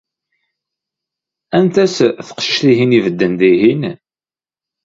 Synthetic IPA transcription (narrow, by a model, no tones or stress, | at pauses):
ænt̪æsθə̥qʃə̥ʃθiɦinivəd̪ːənd̪iɦin